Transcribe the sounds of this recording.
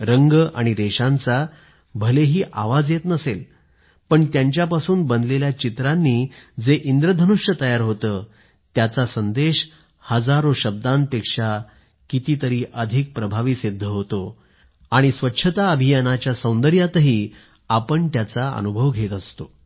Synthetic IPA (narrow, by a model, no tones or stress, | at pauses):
ɾəŋɡʔaɽ̃iɾeɕãnt͡sa | bʱəleɦiːʔaʋad͡zjet̪nəsel | pəɳt̪jaɲt͡ɕjapasuːnbənd̪leljat͡ɕit̪ɾanːiːd͡zeʔind̪ɾəd̪ʱənuʂjət̪əjaɾɦot̪əː | t̪jat͡sasənd̪eɕ | həd͡zaɾoɕəb̚d̪anpekʂa | kit̪iːt̪əɾiːʔəd̪ʱik̚pɾəbʱaʋiːsid̪ʱːəɦot̪o | aɽ̃isʋətːɕʰət̪aəbʱijənat͡ɕjasəw̃nd̪əɾjat̪əɦiː | apəɳt̪jat͡saə̰nubʱəʋɡʱet̪əst̪o